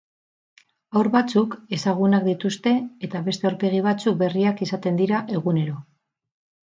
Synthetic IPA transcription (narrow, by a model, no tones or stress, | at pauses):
awɾβat͡suke̞saɣ̞unakd̪it̪ust̪e̞ːt̪aβe̞st̪e̞o̞ɾke̞ɣ̞iβ̞at͡suk̚be̞riakisat̪e̞nd̪iɾaʔe̞ɣ̞une̞ɾo̞